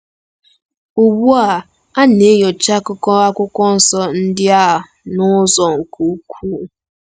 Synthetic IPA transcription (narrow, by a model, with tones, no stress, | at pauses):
u˨bu˦a˨ | a˦ne˨˦jo˨t͡ʃa˦kʊ˦kɔ˦a˦kʷʊ˦kʷɔ˦n̩˦sɔ˦n̩˦dɪ˦a˦a˨ | nʊ˦zɔ˨ŋ̩˨ku˦kʷʰuː˦